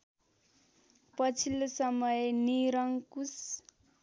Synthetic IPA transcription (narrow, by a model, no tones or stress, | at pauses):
pʌt͡sʰilosʌmʌjniɾaŋkus